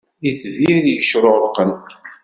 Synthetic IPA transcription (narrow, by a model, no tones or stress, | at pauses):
iθviɾðjəʃɾʊʁɾqːən